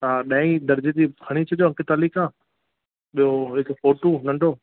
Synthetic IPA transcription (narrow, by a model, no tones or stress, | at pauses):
t̪aːɗɐ̃ĩd̪ɐɾd͡ʑet̪ipʰɐɽ̃it͡ɕʰɐɗoɐ̃ŋkɪt̪aːlikãː | ɓijoɦɪkfoːʈunɐ̃ɳɖʱoː